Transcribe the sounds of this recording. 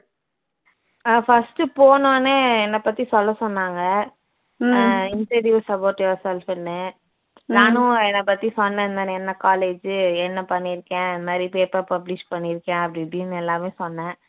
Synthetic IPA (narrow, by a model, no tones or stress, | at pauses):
aːfɐsʈɯpoːnõːneɛnːɐpɐt̪ːisɔlːɐsɔnːaːŋɡɐ | ɪnʈɐɾʋjuːsɐpoːɾʈjoɾsɛlfɛnːɯ | naːnʊ̃ɛnːɐpɐt̪ːisɔnːɐ̃nd̪aːnɛnːɐkaːleːd͡ʒɯɛnːɐpɐnːɪɾɯkːẽːɐnd̪ɐmaːd̪ɾipeːpːɐpɐblɪʂpɐnːɪɾɯkːɛ̃ːɐpːɐɽibinɛlːaːmeːsɔnːɛ̃ː